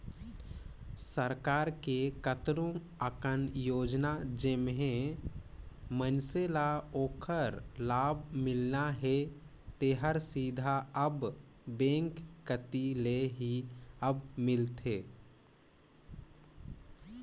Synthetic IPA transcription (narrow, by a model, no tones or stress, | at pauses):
səɾkaːɾkekət̪ɾõ | əkənjoːd͡ʒnad͡ʒemɦẽ | mənselaoːkʰəɾlaːbʱmɪlnaɦe | t̪eɦəɾsiːd̪ʱaəb | bẽːŋkːət̪ileɦiəbmɪlt̪ʰeː